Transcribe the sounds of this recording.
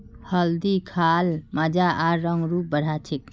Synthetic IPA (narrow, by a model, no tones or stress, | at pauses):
həld̪ikʰalməd͡ʒaʔaɾɾəŋɡɾup̚bəɽ̤ʱat͡ʃʰik̚